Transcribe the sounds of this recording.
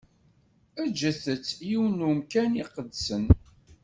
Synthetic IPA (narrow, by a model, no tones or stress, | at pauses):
æd͡ʒəθət͡sːjiwnumkæniqəd̪sən